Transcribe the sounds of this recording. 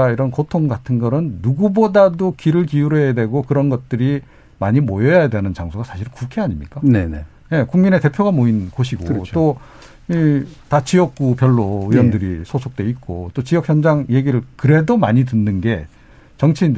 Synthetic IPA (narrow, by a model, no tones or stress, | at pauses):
aiɾʌnkotʰoŋɡatʰɯnɡʌɾɯnːuɡubodadokiɾɯɭkijuɾejadwe̞ɡokɯɾʌnɡʌt̚t͈ɯɾi | maɲimojʌjajadwe̞nɯnt͡ɕaŋsʰoɡasʰaɕʰiɾɯnkukʰeaɲimɲik͈anene | je̞kuŋmine̞te̞pʰjoɡamoinkoɕʰiɡot͈o | itat͡ɕijʌk̚k͈upjʌɭːoɯjʌndɯɾisʰosʰok̚t͈we̞it̚k͈o̰t͈ot͡ɕiʌk̚hjʌnd͡ʑaŋje̞ɡiɾɯɭkɯɾe̞domaɲitɯnːɯnɡe̞ | t͡ɕʌŋt͡ɕʰiind